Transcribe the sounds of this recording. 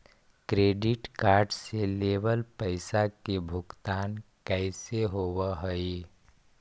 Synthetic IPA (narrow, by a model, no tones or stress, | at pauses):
kɾeːɖɪʈkaːɾɖseleːʋəlpəɪsakebʱʊɡt̪aːnkəɪseɦoːwəɦəi